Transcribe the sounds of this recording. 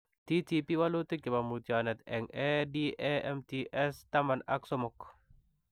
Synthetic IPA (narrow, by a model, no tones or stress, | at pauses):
t̪it̪ipiwalot̪ekɪmamut̪jɔnɛt̪ɛŋɛdiʔɛɛmt̪iʔɛst̪amana̰ksɔmɔk